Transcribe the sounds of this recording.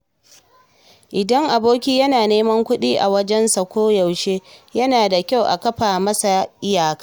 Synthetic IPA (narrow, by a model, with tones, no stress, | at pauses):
ʔɪ˨dɐ˦ŋʔa˨boː˦kʲiː˦jɐ˦naː˨neː˦mɐ˦ŋkʷʊ˦ɗiː˦ʔa̰˨wɐ˦d͡ʒɛ˦nsɐ˨kʷoː˦ja˨wʃeː˦jɐ˦naː˨da˨kʲa˦˨wʔa̰˨kɐ˦ɸaː˨mɐ˦sa˨ʔɪ˦jaː˨kaː˦